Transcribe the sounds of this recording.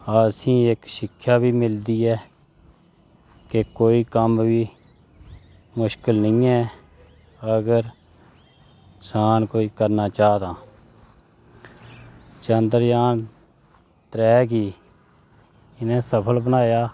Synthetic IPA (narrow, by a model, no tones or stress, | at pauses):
aːsĩːɪkʃɪkʰːjaːbiːmɪld̪iːɛː | kekoːiːkəmʋiː | mʊʃkəlnəĩːɛ̃ː | əɡəɾ | saːnkoːiːkəɾnaːt͡ʃaːd̪ãː | t͡ʃənd̪əɾjaːn | t̪ɾɛːɡiː | ɪnẽːsəpʰəlbənaːjaː